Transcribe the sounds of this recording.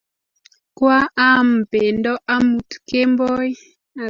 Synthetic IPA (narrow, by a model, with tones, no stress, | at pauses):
kwa˦a˦m˨pe˨ndɔ˦ʔa˦mu˨tke˦mbo˦j | a˨